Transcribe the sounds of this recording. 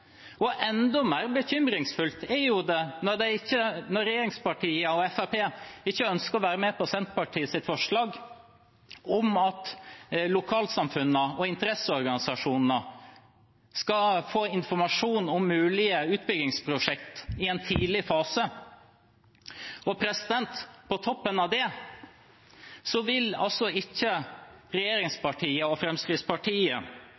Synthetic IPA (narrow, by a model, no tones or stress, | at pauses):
ɔʔɛnd̪ɔmeːɾbəçʏmɾɪŋsfʉlt̪ɛjʊd̪ɛnɔɾd̪ɛɪçːənɔɾɛjeːɾɪŋspɑʈʰiːəɔɛfæpeːɪçːəœnskəɔʋæːɾəmepɔsɛnt̪̚pɑʈʰiːəsɪt̪fɔʂɭɑːɡ | ɔmɑt̪lʊkʰɑːlsɑmfʉnːəɔɪnt̪əɾɛsəɔɾɡɑnɪsɑʂuːnnə | skɑfoːɪnfɔɾmɑʂuːnɔmːʉːlɪəʉːt̪̚bʏɡɪŋspʰɾʊʂɛkt̪ɪɛnt̪ʰiːlɪfɑːsə | ɔpʰɾɛsɪd̪ɛnt̪pʰɔt̪ʰɔpːənɑʋd̪ɛ | sɔʋɪlɑ̰lsɔɪçːəɾɛjeːɾɪŋspɑʈʰiːəɔfɾɛmskɾɪspʰɑʈʰiːə